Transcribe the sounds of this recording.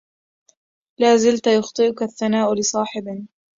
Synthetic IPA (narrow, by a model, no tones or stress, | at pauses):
laːzɪlt̪ajʊxt̪ˤɨʔʊkaaθːanaːʔʊlɪsˤɑːħɪbɪn